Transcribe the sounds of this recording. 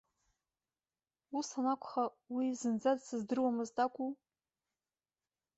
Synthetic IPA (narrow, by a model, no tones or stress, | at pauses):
usanakʷʰʼχa | wizɨnd͡zadsɨzdɨrwamɨztʼakʷʰʼu